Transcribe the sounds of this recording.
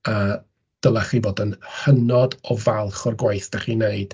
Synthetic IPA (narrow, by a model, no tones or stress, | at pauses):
a | d̥əlˠaχiboːdənhənɔdɔvalˠχɔrɡwajθd̥aχiːneɨd̥